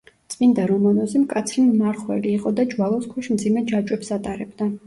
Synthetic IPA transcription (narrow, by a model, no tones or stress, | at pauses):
t̪sʼmind̪aɾɔmanɔzimkʼat̪sʰɾimmaɾχwɛ̰liːqʼɔd̪ad͡ʒwalˠɔskʰɛʃmd̪zimɛd͡ʒat͡ʃʼwɛpsat̪ʼaɾɛbd̪a